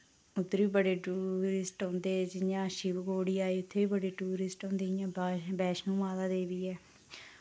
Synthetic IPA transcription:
ʊt̪ʰːeːbiːbəɽeːʈuːɾɪsʈɦõːnd̪eːɛd͡ʒɪjãːʃɪbɡoːɽiːaːeːʊt̪ʰːeːiːbəɽeːʈuːɾɪsʈõːnd̪eːjãːbːbɛːʃnũːʋaːd̪aːd̪eːʋiːɛː

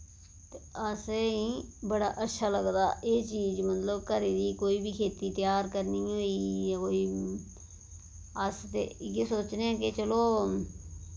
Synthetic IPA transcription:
t̪eəsiːbəɽaːʔətːʃʰaːləɡd̪aːʔeːt͡ʃiːd͡ʒmət̪ləbkəɾeːd̪iːkoːiːbiːkʰeːt̪iːt̪ɪjaːɾkəɾniːɦoːiːɦoːiː | əst̪ḛɡesoːt͡ʃneɛ̃ːkɪt͡ʃəloː

